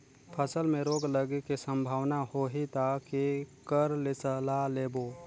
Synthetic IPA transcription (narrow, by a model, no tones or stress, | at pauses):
pʰəsəlmẽɾoːɡləɡekisə̃mbʱaːwnahoɦit̪akikəɾlɪt͡ʃəlaleːbo